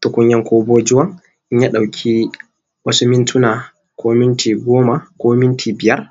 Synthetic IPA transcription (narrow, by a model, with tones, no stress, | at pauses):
tʊ˨˦kʷʊ˦ɲjɐ˦ŋkʰʷoː˦boː˦d͡ʒʊ˦wɐ˦ŋ | ʔɪ˦ɲja˦ɗa˨wkʲʰi˦ | wɐ˦su˦mɪ˦ntʰʊ˦naː˨ | kʷoː˦mɪ˦ntʰiː˨ɡʷoː˦ma˨kʷoː˦mɪ˦ntʰiː˨bɪ˨jɐ˦r